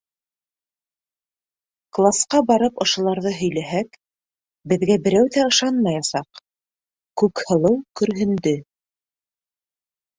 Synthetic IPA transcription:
klˠasqɑbɑɾɤpŏʃŏlˠɑɾðɤɦɵ̆jlæɦæk | bɘ̆ðɡæbɘ̆ɾæwðæɤ̆ʃɑnmɑjɑsɑq | kʉkhɤ̆lˠɤwkɵ̆ɾɦɘ̆nd̪ɵ

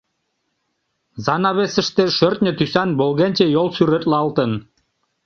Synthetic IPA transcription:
zɑnɑβesə̆ʃt̪ĕʃørt̪̚nʲə̆t̪ysɑnbolɣenʲt͡ɕĕjolˠsyɾet̪lɑlˠt̪ə̆n

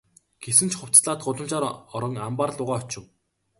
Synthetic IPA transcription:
ɡ̥esɘ̆nt͡ɕχʊw̥t͡sɮaːt̪ɢʊɮə̆m̥t͡ɕaːɾɔɾɞ̆ŋampaːrɮʊːʁaːɔt͡ɕɪ̆w

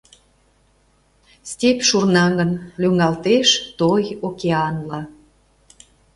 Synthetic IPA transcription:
stʲepʃurnɑɣənlyŋɑlt̪eʃt̪ojokeɑnlɑ

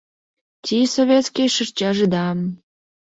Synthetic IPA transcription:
t̪ʲisoβʲet̪skʲijʃərt͡ɕɑʒed̪ɑm

